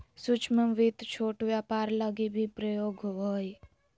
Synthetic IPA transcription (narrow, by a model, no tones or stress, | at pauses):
sut͡ʃməmʋit̪t͡ʃʰoːʈʋjapaːɾləɡibʱipɾəjoːɡʱɦɦoji